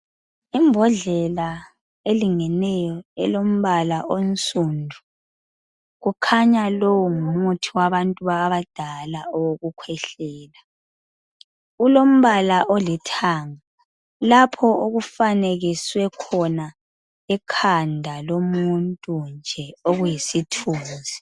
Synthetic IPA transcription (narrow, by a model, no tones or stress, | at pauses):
imbʱɔɮɛla | eliŋɛnɛjɔɛ̰lom̩βalaʔont͡sʼundʱu | ɣukʰaɲalowɔŋumutʰiwaβantʼuβaβad̥ʱalaɔwoɣukʰwɛɬɛːla | ulom̩βalaʔolitʰaːŋa | lapʰɔoɣufaneɣiswɛkʰɔna | ɛkʰandʱalomuntʼund͡ʒʱɛoɣujisitʰuːnzi